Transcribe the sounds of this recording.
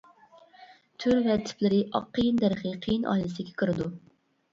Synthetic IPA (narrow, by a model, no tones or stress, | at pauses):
t̪ʰyɾvɛt̪ʰɪ̥plɪɾɪʔɑ̰qʰːəjɨnd̪æɾɨχɨqʰəjnʔɑ̰ːjlˠɨsɪɡʲɛkʰəɾɨd̪u